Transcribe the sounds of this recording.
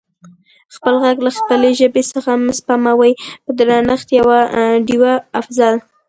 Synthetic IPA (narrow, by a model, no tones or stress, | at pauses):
xpəlɣaɡlaxpəleʒəbesəxamʊspamawajpəd̪ɾɑnəxt̪jawaɖiwaːfzɑl